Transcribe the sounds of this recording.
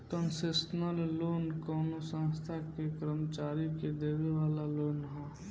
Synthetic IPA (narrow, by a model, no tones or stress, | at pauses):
kənsɪsnəlloːnkɔːnosə̃st̪ʰakekəɾəmət͡ʃaːɾiked̪eːʋeʋaːlaloːnɦɛ̃